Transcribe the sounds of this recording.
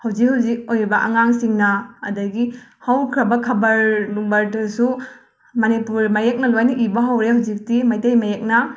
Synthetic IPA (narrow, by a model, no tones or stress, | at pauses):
hawd͡ʒik̚hawzik̚ojɾibɐʔɐŋaŋsiŋnɐːdɐɡihawkʰɾɐbɐkʰɐbɐɾluŋbɐɾdɐsu | mɐnipuɾmajek̚nɐlojnɐʔibɐɦawɾehawd͡ʒik̚timɐjtejmɐjek̚nɐ